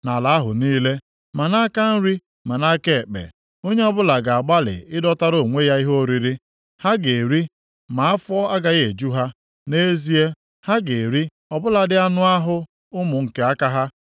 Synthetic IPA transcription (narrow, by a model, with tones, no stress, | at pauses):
na˨la˨a˦ɦʊ˨niː˦le˦ | ma˨na˦ka˦n̩˦ɾi˦ | ma˨na˦ke˦˨k͡pḛ˨ | o˦ɲe˦ɔ˦bʊ˦la˨ɡa˨a˨ɡ͡ba˦lɪ̰˨ʔɪ˦dɔ˦ta˦ɾo˨ŋʷe˦ja˦i˦ɦo˦ɾi˨ɾi˦ | ha˦ɡe˨ɾi˦ | ma˨a˦fɔ˦a˦ɡa˦ɣe˨d͡ʒu˦ɦa˦ | ne˦zi˦e˦ | ha˦ɡe˨ɾi˦ | ɔ˨bʊ˦la˨dɪ˦a˦nʊ˦a˦ɦʊ˦ | ʊ˦mʊ˨ŋ̩˨ke˦a˦ka˦ɦa˦